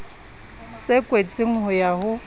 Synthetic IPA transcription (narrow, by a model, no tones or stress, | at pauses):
sɪkʼwet͡sʼɪŋ̩ɦʊjaɦʊ